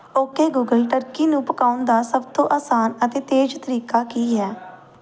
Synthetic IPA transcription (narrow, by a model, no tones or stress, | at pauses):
oːkeːɡuːɡəlʈəɾkiːnũːpəkaːʊnd̪aːsəbt̪õːʔaːsaːnət̪eːt̪eːd͡ʒt̪əɾiːkaːkiːɦɛː